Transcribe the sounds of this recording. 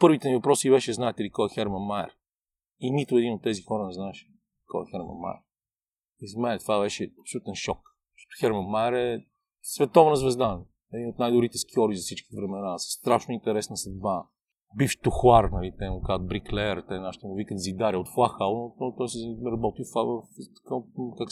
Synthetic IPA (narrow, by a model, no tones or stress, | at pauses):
pɤɾvit̪ɛnivɐpɾɔsivɛʃɛznaɛt̪ɛlikɔjɛxɛɾmɐnmaə̰ɾ | init̪ʊɛd̪inot̪ːɛzixɔɾənɛznaɛʃ | kɔ̰ɛxɛɾmɐ̰nma̰jɛ̰ɾ | izmɛnɛt̪ovavɛʃɛɐpsolʲut̪ɛnʃɔk | ʃɔ̥t̪ʊ̥xɛɾmɐnmajəɾɛ | svɛt̪ɔvnɐzvɛzd̪an | ɛd̪inot̪najd̪ʊbɾit̪ɛskʲɔɾizɐfsit͡ʃkʲivɾɛmɛnasst̪ɾaʃnʊint̪ɛɾɛsnəsɐd̪ba | bift̪ʊxwaɾnɐlit̪ɛmʊkazət̪̚bɾiklɛɛɾt̪ɛnaʃt̪ɛmʊvikət̪zid̪aɾiəot̪xlˠaxalˠnoot̪ɔjsimɛɾɐbɔt̪ifavəft̪kakak